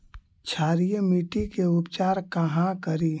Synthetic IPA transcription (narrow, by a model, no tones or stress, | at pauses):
t͡ʃʰaːɾijəmiʈikeʊpt͡ʃaːɾkəɦãkəɾiː